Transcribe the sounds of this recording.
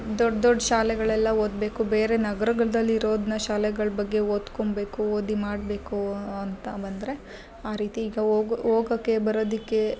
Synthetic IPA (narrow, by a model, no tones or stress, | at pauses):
d̪ɔɖd̪ɔɖːʃaːlɛɡɐɭɛlːɐoːd̪be̞ːkube̞ːɾe̞nɐɡɐɾɐɡɐɭɐd̪ɐlːiːɾo̞ːd̪inɐʃaːlɛɡɐɭbɐɡːe̞oːd̪kombe̞ːkuoːd̪imaːɽbe̞ːkuɐnt̪ɐbɐnd̪ɐɾe̞ | aːɾiːt̪iːɡɐːɡoːɡɐkːe̞bɐɾoːd̪ikːe̞